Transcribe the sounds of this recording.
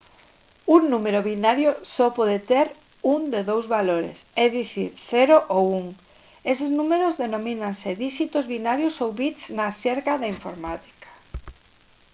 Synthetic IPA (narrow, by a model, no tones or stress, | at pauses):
uŋnumeɾoβinaɾjosɔpɔðet̪eɾ | uŋd̪eðowzβaloɾḛseðiθḭɾθeɾoʔowuŋ | eseznumeɾozðenõmĩnanseðiʃit̪ozβinaɾjosowβit̪snaseɾkaðaiɱfo̰ɾmat̪i̥kḁ